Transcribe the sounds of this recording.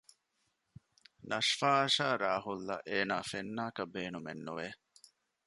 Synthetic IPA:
nɐʂfaːɐʃaːɾaːɦulːɐ̰ʔeːnaːfenːaːkɐbeːnumḛnːuʋeː

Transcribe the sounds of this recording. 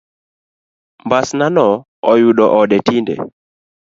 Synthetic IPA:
mbasnanɔ | ɔjuɗɔʔɔɗɛtindɛ̰

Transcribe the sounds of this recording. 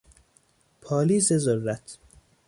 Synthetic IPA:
pʰɒːliːzezorːæt̪ʰ

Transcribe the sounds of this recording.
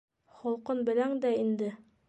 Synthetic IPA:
χŏlˠqɤnbɘ̆læŋd̪æind̪ɘ

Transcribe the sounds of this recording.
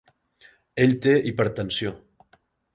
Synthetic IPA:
eʎt̪eʔipəɾt̪ənsio

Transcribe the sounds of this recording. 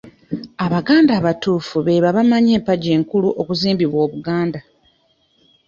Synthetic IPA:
aβaɡaːndaːβatuːfuβe̞ːβaβamaɲe̞ːmpaɟe̞ːŋkuluʔo̞kuziːmbiβwo̞ːβuɡaːnda

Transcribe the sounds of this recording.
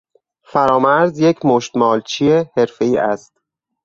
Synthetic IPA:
fæɾɒːmæɾzjecʰmoʃt̪mɒːlt͡ʃʰiehe̞ɾfe̞iːʔæst̪

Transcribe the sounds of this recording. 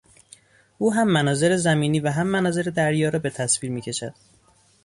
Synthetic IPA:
ʔuːɦæmːænɒːze̞ɾezæmiːniːvæɦæmːænɒːze̞ɾed̪æɾjɒːɾɒːbe̞t̪ʰæsviːɾmiːcʲʰe̞ʃæ̰d̪̥

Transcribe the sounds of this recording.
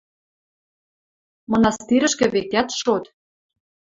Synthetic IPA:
mɤ̆nɑst̪iɾə̆ʃkɘ̆βet̪ʲæt̪ʃot̪

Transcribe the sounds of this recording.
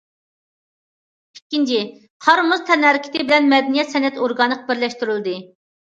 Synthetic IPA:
ikʲːint͡ʃʰiɪ | qʰɑɾmʊzt̪ʰɛnæɾkʲʰɪ̥t̪ɪbɪlɛnmɛd̪ɛnijɛt̪sɛnɛt̪oɾɡɑnːəqʰbɪɾlɛʃt̪yɾylˠd̪ɨ

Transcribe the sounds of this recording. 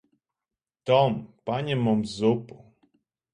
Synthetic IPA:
t̪ɔmpaɲɛmɔmzupu

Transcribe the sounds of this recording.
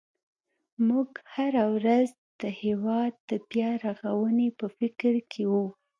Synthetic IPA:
muɡhaɾawɾaz | d̪̥əhewɑd̪̚ːəbjɑɾaɣawənepəfɪkɾkʰewu

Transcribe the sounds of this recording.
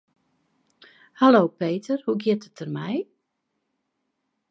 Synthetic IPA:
haloːpeːtərhuɡjɪtətərmɛj

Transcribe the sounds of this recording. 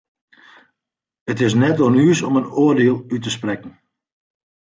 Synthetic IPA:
ətɪs̬nɛtonyːsɔmənoərdeəlˠytəsprɛkn̩

